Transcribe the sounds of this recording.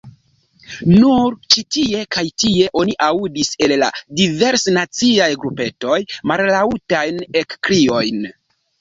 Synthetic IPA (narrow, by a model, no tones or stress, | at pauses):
nuɾt͡ʃitie̞kajtie̞ʔo̞niʔaudise̞lla̰dive̞ɾsnat͡siajɡɾupe̞to̞jmallautajne̞kkɾio̞jn